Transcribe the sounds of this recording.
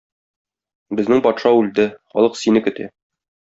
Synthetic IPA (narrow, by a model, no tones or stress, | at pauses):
bɘ̆znɘŋpɒt̪ʃɑʉld̪ɘχɒ̰lˠɤqsinɘkɵ̆t̪æ̰